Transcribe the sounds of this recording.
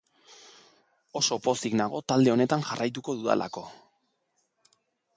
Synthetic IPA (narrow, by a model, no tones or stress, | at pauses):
o̞so̞po̞siɡnaɣ̞o̞t̪ald̪e̞o̞ne̞t̪aŋʝarajt̪uko̞ðuða̰lʔa̰ko̞